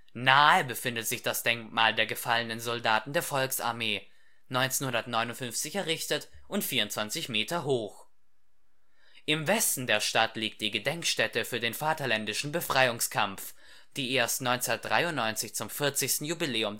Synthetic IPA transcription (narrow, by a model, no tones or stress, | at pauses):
naːəbəfɪndətz̥ɪçd̥asd̥ɛŋkmaːldeːɐɡəfalənənzɔldaːtn̩deːɐfɔlksa̰ɐmeː | nɔʏnt͡seːnhʊndɐtnɔʏnʊntfʏnft͡sɪçɛɐʁɪçtətʔʊntfiːɐʊntt͡sv̥ant͡sɪçmeːtɐɦoːx | ʔɪmvɛstn̩deːɐʃtatliːk̚t̚d̥iːɡədɛŋkʃtɛtəfyːɐdeːnfaːtɐlɛndɪʃn̩bəfʁ̥aɪʊŋskʰamf | d̥iːʔeːɐstnɔʏnt͡sɛnɐd̥ʁa̰ɪʊntnɔʏnt͡sɪçt͡sʊmfɪɐt͡sɪçstn̩jubileːʊm